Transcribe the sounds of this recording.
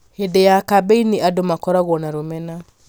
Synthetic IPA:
hedejakabeiniʔadomakɔɾaɣwɔnaɾomɛna

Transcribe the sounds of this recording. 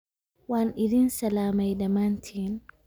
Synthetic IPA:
wanʔidinsɐlaːmajdɐmantʰin

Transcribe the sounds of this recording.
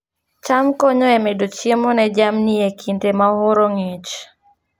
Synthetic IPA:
t͡ʃamkɔɲɔɛmedot͡ʃjemɔnɛd͡ʒamniekʰintemaɦoɾoŋet͡ʃ

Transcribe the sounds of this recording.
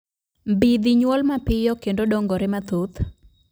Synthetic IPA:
mbid̪iɲwɔlmapɪjɔkendodɔŋɡɔɾɛmat̪ut̪

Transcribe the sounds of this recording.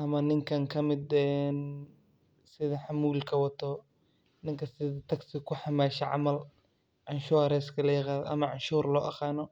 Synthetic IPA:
ʔɐmɐnɪŋkʰɐŋkʰɐmɪd̪ɛːn | sɪðɐħamuːlkʰɐwɑt̪ʰɔ | nɪŋkʰɐsɪðɐt̪ʰɐɡsɪkʰʊħɑmaːʃɐʕɑ̰mɐl | ʕɑnʃʊɐɾɛskʰɐlɐjɪqɑːðɔ̰ʔɐ̰mɐʕʊnʃuːrlɔːʔɑqɑːnɔ

